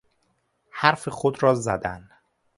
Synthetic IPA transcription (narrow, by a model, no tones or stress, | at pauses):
hæɾfexod̪ɾɒːzæd̪æn